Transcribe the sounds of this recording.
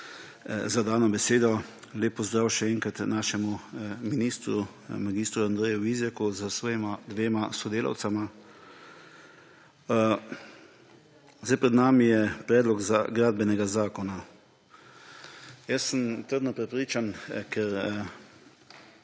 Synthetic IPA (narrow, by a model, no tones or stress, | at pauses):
zad̪aːnɔbɛseːd̪ɔleːp̚ːɔzd̪ɾaːwʃɛɛːŋkɾat̪naːʃɛmuminiːst̪ɾu | maɡiːst̪ɾuand̪ɾɛːjuʋizjɛkuzəsɔːjɛmad̪ʋeːmasɔd̪eːlʔa̰wt̪sama | zajpɾɛd̪naːmijɛpɾɛːd̪lɔɡzaɡɾaːd̪̚bɛnɛɡazaːkɔna | jəsːəmt̪əɾd̪nɔpɾɛpɾiːt͡ʃankʰɛɾ